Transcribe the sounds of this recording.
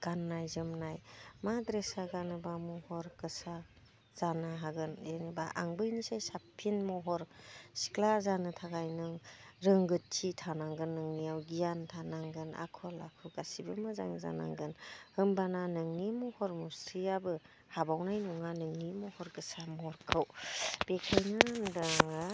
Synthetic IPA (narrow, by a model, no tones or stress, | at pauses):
ɡ̥anːajzɯmnajmadɾesaɡanɯbamɔhɔɾɡɯsa | z̥anaɦaɡɯnjeniba̰ʔa̰ŋbɯjnisajsapʰːinmɔɦɔɾsi̥klazanɯtʰaɡajnɯŋɾɯŋɡɯt̚t͡ʃʰitʰanaŋɡɯnːɯŋnijawɡijantʰanaŋɡɯna̰kʰɔla̰kʰɯɡasibɯmɯza̰ŋza̰na̰ŋɡɯnhɯmbananɯŋnimɔhɔɾmuɾsijabɯ | habawnajnuŋanɯŋnimɔhɔɾkɯsamɔɔɾkʰɯwb̥ekʰajnandaŋ